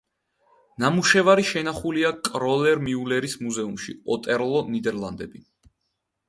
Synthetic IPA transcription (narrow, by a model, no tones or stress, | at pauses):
namuʃɛvaɾiʃɛnaχuliakʼɾɔlɛɾmiulɛɾismuzɛumʃḭɔt̪ʼɛɾlˠɔnid̪ɛɾlˠand̪ɛbi